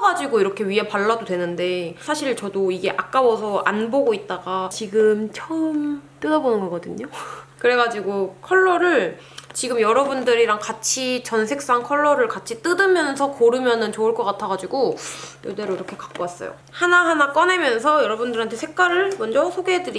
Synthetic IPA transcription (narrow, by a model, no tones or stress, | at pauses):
ɡad͡ʑiɡoiɾʌkʰe̞ɥiɦe̞paɭːadodwenɯnde̞sʰaɕʰiɭt͡ɕʌdoiɡe̞ʔak͈awʌsʰʌʔa̰nboɡoit̚t͈aɡat͡ɕiɡɯmt͡ɕʰʌɯmt͈ɯdʌbonɯnɡʌɡʌdɯɲokɯɾe̞ɡad͡ʑiɡokʰʌɭːʌɾɯɭ | t͡ɕiɡɯmjʌɾʌbundɯɾiɾaŋkat͡ɕʰit͡ɕʌnsʰe̞k̚s͈aŋkʰʌɭːʌɾɯɭkat͡ɕʰit͈ɯdɯmjʌnsʰʌkoɾɯmjʌnɯnt͡ɕoɯɭk͈ʌk͈atʰʌɡad͡ʑiɡojoɭde̞ɾoiɾʌkʰe̞kḁk͈̚oas͈ʌ̰jo̰ | hanaɦanak͈ʌnemjʌnsʰʌjʌɾʌbundɯɾɦantʰe̞sʰe̞k̚k͈aɾɯɭmʌnd͡ʑʌsʰoɡeedɯɾi